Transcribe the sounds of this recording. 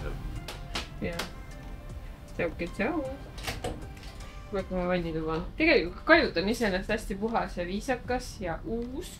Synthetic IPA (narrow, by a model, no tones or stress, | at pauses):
jɑ | seukːet̪sɑw | kuekːumɑvɑjnʲːit̪umɑt̪e̞ɡe̞likut̪̚kɑjut̪ːˑɑnise̞nest̪æsʲt̪ipuɦɑsɑviːsɑkːˑɑsjɑʔuːs